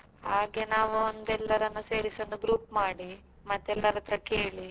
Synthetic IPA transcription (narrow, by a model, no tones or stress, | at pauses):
ɦaːɡe̞naːʋuond̪ɛlːɐɾɐnːuse̞ːɾiso̞ːnd̪uɡɾuːpmaːɽi | mɐt̪ːɛlːɐɾɐt̪ːɾɐkeːɭi